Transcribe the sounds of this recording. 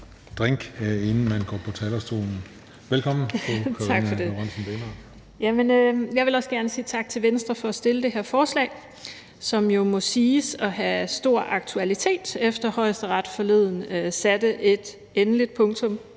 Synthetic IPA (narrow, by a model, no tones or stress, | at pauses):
d̥ʁeŋ̰ɡ̥e̝nn̩mænɡ̥ɒ̰ːpʰɒ̽t͡sʰælɐst͡sʰo̝̰ːnn̩ | ʋelkʰɒ̽m̰n̩ʰokʰt͡sʰɑ̈ɡfɒde̝oɑnsnb̥enɑ̥ | jæmenøjɑʋe̝lɒ̽səɡ̥æɐnəsiːt͡sʰɑ̈ɡ̥̚t͡sʰe̝lʋensd̥ʁɐfɒ̽ːsd̥e̝ləd̥e̝ɦeɐfɒːslɛ̰ːɪ | sɒ̽mjo̝mɔ̽siːsɒ̽ɦæsd̥o̝ɐ̰ɑ̈ɡ̥̚t͡sʰuælit͡sʰe̝̰ːd̥efd̥ɐhɒ̽ɪsd̥əʁɑ̈d̥fɒ̽le̝ð̞̰ˠn̩øsæd̥əʔe̝d̥ | enəlid̥̚pʰɔ̽ŋt͡sʰɔ̽m